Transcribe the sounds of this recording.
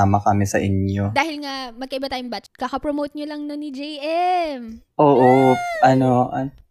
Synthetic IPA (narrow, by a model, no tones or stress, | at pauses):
aːmɐkɐmɪsɐʔɪnjod̪aːhɪlŋamɐɡ̚kɐʔɪbat̪aːjʊŋbɐt͡ʃkɐkɐpɾomowt̪̚ɲolɐŋnonɪd͡ʒɛjʔɛmʔoːʔoʔɐnoʔɐn